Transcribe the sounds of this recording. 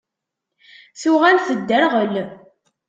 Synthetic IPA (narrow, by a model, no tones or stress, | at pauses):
θʊʁalθəd̪ːəɾʁəl